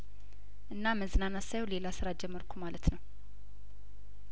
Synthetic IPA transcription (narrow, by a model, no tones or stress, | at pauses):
ʔɨnːaməzɨnanasajɛwle̞lasɨɾad͡ʒɛmːəɾkʰumalət̪nəw